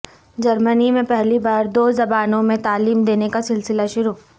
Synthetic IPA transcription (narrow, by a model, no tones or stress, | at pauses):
d͡ʒɐɾmənimẽpɛɦlibaːɾd̪oːzɐbaːnõmẽt̪aːliːmd̪eːnekasɪlsɪlaʃʊɾuː